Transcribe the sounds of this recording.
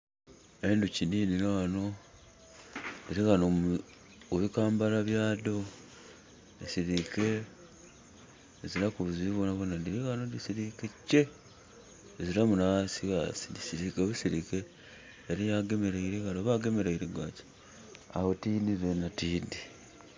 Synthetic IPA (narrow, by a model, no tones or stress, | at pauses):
e̞nduciniːninoano̞ | ndiɾiɣano | oβikaːmbalaβjaːdo̞ | isiɾike̞ | ziɾakuβuziβonaβonandiɾiɣanodisiɾikecːe̞ | eziɾamunaβasiɣasidisiɾikeβusiɾike̞ː | ɾijaɡe̞me̞ɾeiɾeɣaɾoβaɡe̞me̞ɾeiɾeɡace̥ | a̰wotiːdizenatiːdi